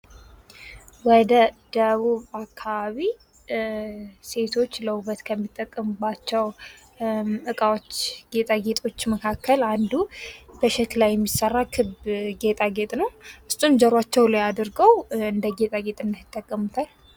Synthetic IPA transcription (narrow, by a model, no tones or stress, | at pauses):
wɔd̪əd̪̥əβuβakʰːaβaβi | se̞t̪ʰo̞t͡ʃːləuβət̪kʰəmːit̪ʼːəkʼːəmɨbat͡ʃːɛw | ʔɨkʼawot͡ʃːɡe̞t̪ʼaɡe̞t̪ʼo̞t͡ʃːməkʰakːəland̪ubəʃɛt̪lajːɛmːisərːakʰɨbɡe̞t̪ʼaɡet̪ʼnəwʔɨsʼumzəɾwat͡ʃːɛwləjad̪ɨɾɡəwɨnd̪əɡe̞t̪ʼaɡe̞t̪ʼɨnːɨjɪt̪ʼːəkʼːəmut̪ʰal